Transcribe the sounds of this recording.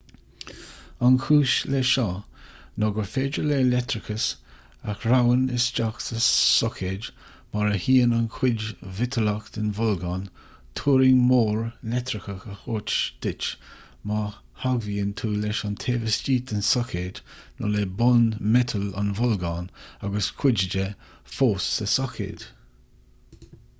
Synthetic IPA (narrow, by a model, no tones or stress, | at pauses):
ankʰuːʃleʃɔnɔɡəɹfeːd͡ʒəleːlɛt̪ɾɪkʰəs | axɹawənɪsd͡ʒaktəsɔkʰed | maɹəhiːənankʰwɪd͡ʒvɪtʰəlakt̪ɪnvʊlɡan | tʰuːɾɪŋmoːɹlɛtɾɪkəxəxot͡ʃd̪̥ɪt͡ʃ | ma | haɡviːənt̪ʰuːlɛʃant̪ʰeːvəst͡ʃiːt̪ənsɔkʰednʔɔ̰lebʊnmɛt̪ʰəla̰nvʊlɡaːnaɡəskʰw̥ɪd͡ʒd͡ʒɛ | foːsːəsɔkʰḛːd